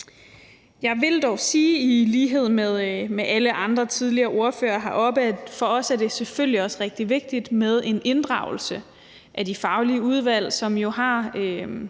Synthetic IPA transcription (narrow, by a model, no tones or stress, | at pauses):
jɑ̈ɪʋe̝ld̥ɒʊsiːiliːɦe̝ð̞̰ˠmeðˠmeʔæləʔɑ̈nd̥ʁɐt͡sʰið̞ˠliɐːʔo̝ɐfø̰ːɐɦɑ̈ʔɒ̽b̥æfɒ̽ɒ̽sæɐd̥e̝seføl̰liɒ̽sʁɛɡ̥̚d̥iʋe̝ɡ̥̚d̥id̥með̞ˠe̝nʔe̝nd̥ʁɑ̈ʊl̩sə | ʔædifɑ̈ʊliəuð̞ˠʋæl̰sɒ̽mjo̝ɦɑ̈ø